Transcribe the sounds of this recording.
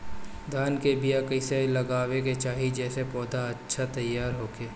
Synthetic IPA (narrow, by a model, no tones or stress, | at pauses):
d̪aːnkebijakɐɪselɐɡaːweket͡ʃaːɦid͡ʒɛːsepɔːd̪ʱaɐtːʃʰat̪ɐjːaːɾɦoːkeː